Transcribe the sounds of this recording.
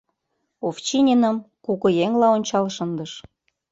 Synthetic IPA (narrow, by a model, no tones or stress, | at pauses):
oft͡ɕinʲenəmkukɤ̆jeŋlɑonʲt͡ɕɑlʃɤ̆nd̪əʃ